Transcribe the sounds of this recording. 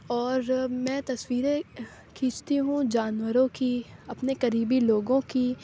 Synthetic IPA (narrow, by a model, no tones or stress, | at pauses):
ɔːɾmɛ̃ːt̪ɐswiːɾe | kʰiːt͡ʃt̪iɦũd͡ʒaːnwəɾõkiɐpnekɐɾiːbiloːɡõki